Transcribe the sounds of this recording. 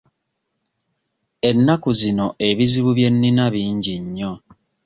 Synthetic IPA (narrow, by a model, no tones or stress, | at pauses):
e̞nːakuzino̞ʔe̞βiziβuβje̞nːinaβiːɲɟiɲːo̞